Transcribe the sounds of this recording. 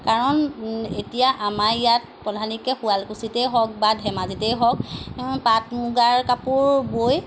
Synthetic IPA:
kaɹɔnetijaʔamaɹjat̚ | pɔdʱanikɛxualkusitɛjɦɔk̚badʱɛmazitɛjɦɔk̚patmuɡaɹkapuɹboj

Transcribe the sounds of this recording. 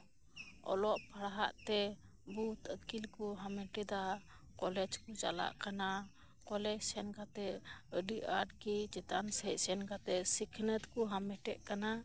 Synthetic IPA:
ɔ̰lɔʔpʰaɽaɦa̰ʔt̪ɛ | but̪ət̪kilkuɦamɛʈɛd̪a | kɔlɛd͡ʒkut͡ʃa̰la̰ʔkana | kɔlɛd͡ʒsɛnkat̪ɛəɖiʔaɖkid͡ʒɛt̪ansɛc̚sɛnkat̪ɛsikʰnət̪kuɦamɛʈɛʔkana

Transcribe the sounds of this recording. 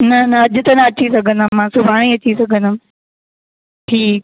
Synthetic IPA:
nɐnɐɐd͡ʑʊ̆t̪ɐnɐɐt͡ɕʰisɐɡʱə̃nd̪əmmːãːsʊbʱaːɽ̃iɐt͡ɕisɐɡʱə̃nd̪əm | ʈʰiːk̚

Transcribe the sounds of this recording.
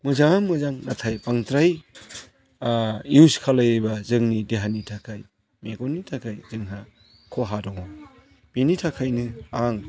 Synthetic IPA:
mɯzaŋamɯzaŋnatʰajbaŋtɾaj | uskʰalɯjebazɯŋnideɦanitʰakʰaj | meɡɔnitʰakʰajzɯŋɦa | kʰɔɦadɔŋɔ | b̥initʰakʰajnɯaŋ

